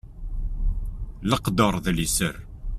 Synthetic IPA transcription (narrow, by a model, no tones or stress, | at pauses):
ləqd̪əɾˤðlisəɾ